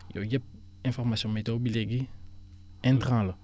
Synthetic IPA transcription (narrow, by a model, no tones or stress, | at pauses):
jo̰ɟɛp̚ | ɛ̃fɔʁmasjɔ̃mɛtobileɡi | ɛ̃nt̪χãlə